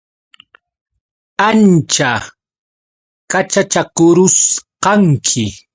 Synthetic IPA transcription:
ant͡ʃa | kat͡ʃat͡ʃakʊɾʊsqɑŋkʰɪ

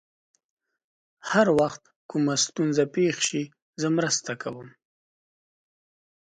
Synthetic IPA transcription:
haɾwaxt̪ | kumast̪unzapexʃi | zəmɾəst̪akʰawəm

